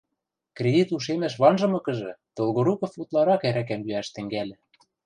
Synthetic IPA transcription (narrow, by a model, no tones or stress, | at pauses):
krʲed̪it̪uʃ̬emæʃ̬βɑnʒɤ̆mɤ̆kɤ̆ʒɤ̆t̪olˠɣŏɾukɤ̆fut̪lˠɑɾɑkæɾæk̬æmjyæʃt̪ɘ̆ŋɡælʲɘ̆